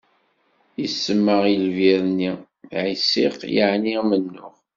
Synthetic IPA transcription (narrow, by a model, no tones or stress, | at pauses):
jisːəmːəʁilviɾni | ʕisḭqja̰ʕnimənːʊʁ